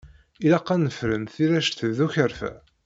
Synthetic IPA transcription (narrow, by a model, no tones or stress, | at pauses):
ilæqːænəfɾənθiɾæʃθəðuçəɾfæ̰